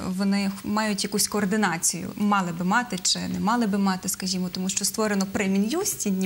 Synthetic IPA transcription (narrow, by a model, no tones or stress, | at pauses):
ʋɔnɪmɑjʊtʲjɐkusʲkɔːrd̪ɪnɑt͡sʲijʊ̰mɑlˠɪbɪmɑt̪ɪt͡ʃɪnɛmɑlˠɪbɪmɑt̪ɪskɐʒʲimɔt̪ɔmuʃt͡ʃɔst̪ʋɔɾenɔpɾɛmʲinʲjusʲtʲinʲː